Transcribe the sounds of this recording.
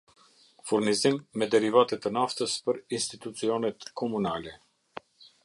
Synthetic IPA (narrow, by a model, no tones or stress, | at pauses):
fuɾnizimːɛd̪ɛɾivat̪ɛt̪ənaft̪əspəɾinst̪it̪ut͡siɔnɛt̪kʰɔmunalɛ